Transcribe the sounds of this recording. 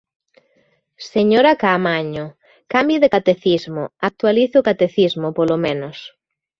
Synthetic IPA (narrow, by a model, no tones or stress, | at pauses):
seɲoɾakamaɲʊ | kambjiðekat̪eθizmʊak̚t̪waliθɪʊkat̪eθizmʊpolomẽnos